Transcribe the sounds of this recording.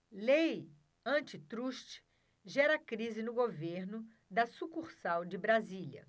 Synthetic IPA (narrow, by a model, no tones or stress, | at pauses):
lej | ɐ̃nt͡ʃɪt̪ɾuʃt͡ʃ | ʒɛɾɐkɾizɪnʊɡoveɾnʊ | d̪ɐsukuɾsawd͡ʒɪbɾazilɐ̰